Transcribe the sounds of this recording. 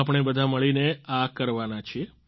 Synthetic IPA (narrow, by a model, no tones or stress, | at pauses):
ap̬ɳ̃ebəd̪ʱaməɭineakəɾʋanat͡ʃʰie